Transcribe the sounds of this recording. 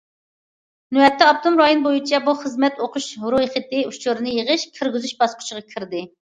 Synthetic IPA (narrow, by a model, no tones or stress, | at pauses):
nuɛt̪ʰːɛɑp̚t̪ʰomɾɑjonbojut͡ʃʰɛbuχəzmɛt̪oqʰʊʃɾujiχət̪ɪut͡ʃʰuɾɨnɨjəʁəʃkʲʰiɾɡʲyzyʃbɑsqʰʊ̥t͡ʃʰəʁɑkʲʰɪɾd̪ɪ